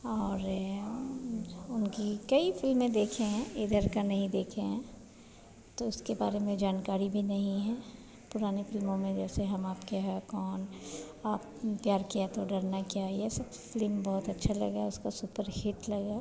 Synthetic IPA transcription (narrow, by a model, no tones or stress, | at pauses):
ɔːɾ | ʊnkikɐifɪlmːẽd̪eːkʰẽɦɛ̃ɪd̪ʱəɾkanɐɦĩd̪eːkʰeɦɛ̃ | t̪oʊskebaːɾemẽd͡ʒaːnkaːɾibʱinɐɦĩɦɛ̃ː | pʊɾaːnefɪlmõmẽd͡ʒɛːseɦɐmaːpkaɦɛkɔːnaːp | pjaːɾkiat̪oɖɐɾnakjaiɛsɐbfɪlmbɔɦʊt̪ɐtːʃʰalɐ̰ɡaʊskasʊpəɾhɪʈlɐɡaː